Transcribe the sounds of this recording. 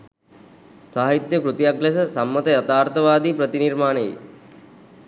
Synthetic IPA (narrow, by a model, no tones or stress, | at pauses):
saɦait̪jəkɾut̪jaɡles̬əsamːɐt̪əjat̪aːɾt̪ɐʋaːd̪iːpɾət̪iniɾmaːneḛ